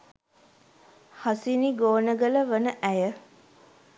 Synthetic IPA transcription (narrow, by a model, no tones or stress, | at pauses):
hasiniɡoːnəɡələʋənəʔæjə